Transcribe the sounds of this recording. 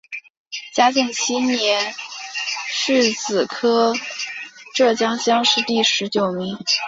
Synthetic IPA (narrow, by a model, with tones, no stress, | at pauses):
t͡ɕja˥t͡ɕi˥˩ŋt͡ɕʰi˥njɛ˧˥n | ʂɻ̩˥˩t͡sɹ̩˨˩kʰɤ˥ | ʈ͡ʂɤ˥˩t͡ɕjɑ˥ŋɕjɑ˥ŋʂɻ̩˥˧t̪i˥˩ʂɻ̩˧˥t͡ɕjo˨˩ʊmi˧˥ŋ